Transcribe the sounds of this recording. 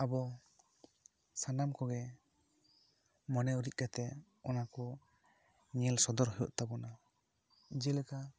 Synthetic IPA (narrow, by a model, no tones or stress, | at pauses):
abɔ | sanamkɔɡɛ | mɔnɛuɾic̚ˀkat̪ɛ | ɔnakɔ | ɲɛlsɔd̪ɔɾɦɔjɔʔt̪abɔna | d͡ʒɛlɛka